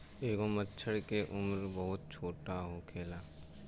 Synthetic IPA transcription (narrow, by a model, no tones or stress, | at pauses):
eːkomətːʃʰəɽkeʔʊmɾbəɦʊt̪̚t͡ʃʰoːʈaɦokʰeːlaː